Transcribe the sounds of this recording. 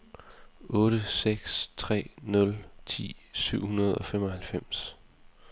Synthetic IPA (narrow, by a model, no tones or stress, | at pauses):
ʔɔ̽ːɾ̥əseɡ̥st͡sʰʁɛ̰ːnɔ̽lt͡sʰḭːsyʊ̰hunɐð̞ˠɒ̽femɒ̽hælfem̰s